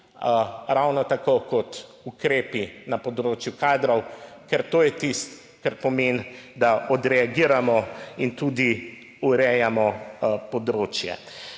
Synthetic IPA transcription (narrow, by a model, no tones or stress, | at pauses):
ɾawnɔt̪akokɔt̪ | ukɾeːpinapɔd̪ɾoːt͡ʃjukaːd̪ɾɔwkɛɾt̪oːjɛt̪ist̪ | kaɾpɔmend̪aʔɔd̪ɾɛaɡiːɾamɔint̪uːd̪i | uɾɛjamɔpɔd̪ɾoːt͡ʃjɛ̰